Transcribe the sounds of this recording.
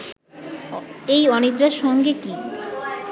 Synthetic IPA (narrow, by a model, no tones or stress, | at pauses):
ejɔnit̪ɾaʃɔŋɡeki